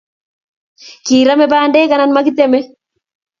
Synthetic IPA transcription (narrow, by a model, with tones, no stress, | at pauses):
kiː˨ɾa˦mɛ˦baːndeː˦ka˨na˦nma˦kɪ˦t̪ɛmɛ˦